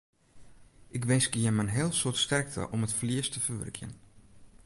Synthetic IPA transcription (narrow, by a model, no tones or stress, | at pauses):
ʔɪkʋɪsɡiəmənɦɪːlˠsotstɛrk̚tʰə̰ʔɔmətfliəstəfərʋɵ̰rkʰjə̰n